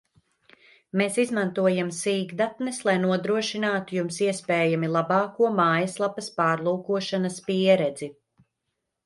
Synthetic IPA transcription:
meːsizmant̪uɔjamsiːɡd̪at̪nɛslˠajnuɔd̪ɾuɔʃinaːt̪ujumsiɛspɛːjamilˠabɑːkuɔmaːjɐslˠapɐspaːɾlˠuːkuɔʃanɐspiɛɾɛd̪zi

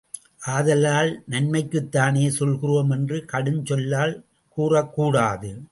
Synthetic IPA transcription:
ʔaːðɐlaːlnɐnmɐɪkːɯt̪ːaːneːsɔlɣɪroːmɛndrɯkɐɽɯnt͡ʃɔlːaːl | kuːrɐkːuːɽaːðɯ

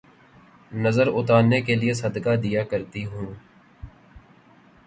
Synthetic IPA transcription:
nəzəɾʊt̪aːɾnekelɪesəd̪kad̪ijaːkəɾt̪iɦũː

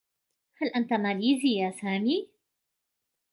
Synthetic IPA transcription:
halʔant̪amaːliːzɪjasaːmiː

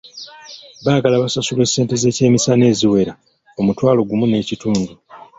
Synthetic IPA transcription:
βaːɡalaβasasulwe̞sːe̞ːnte̞ze̞ːce̞ːmisane̞ːziwe̞ɾa | o̞mutwaːlo̞ɡumune̞ːcituːndu

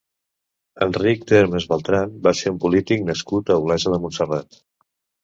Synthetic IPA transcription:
ənrik̚t̪eɾmezβəlˠt̪ɾanbaseɾumpulit̪ik̚nəskut̪əuɣlɛʒəðəmunsərat̪

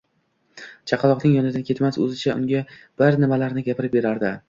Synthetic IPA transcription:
t͡ʃʰɑqʰɑlˠɒqnɪŋjɒnɪd̪ankʲʰe̞t̪masɵ̰zɪt͡ʃʰaʊ̰ŋɡʲa | b̥ɪɾnɪmalaɾnɪɡʲapʰɪɾɪp̚be̞ɾaɾd̪ɪ

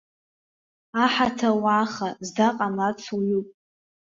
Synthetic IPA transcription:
aħatʰawaχazdaqʼamat͡sʰuɥupʼ

